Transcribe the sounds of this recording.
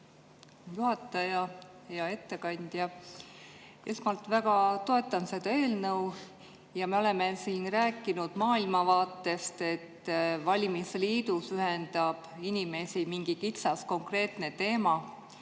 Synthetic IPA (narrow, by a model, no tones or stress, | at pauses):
juhɑt̪ːˑɑjɑ | jɑe̞t̪ːe̞kɑnʲd̪̥jɑ | esmɑlt̪ˑvæɡ̥ɑt̪o̞e̞t̪ːˑɑnse̞d̪̥ɑe̞ːlnɤw | jɑme̞o̞le̞me̞siːnræːkːˑinud̪̥mɑːilmɑvɑːt̪ːˑe̞st̪e̞t̪ːvɑlʲimisliːd̪̥usyɦend̪̥ɑb̥inʲime̞simiŋɡ̥ikit̪sɑsko̞ŋkre̞ːt̪ne̞t̪e̞ːmɑ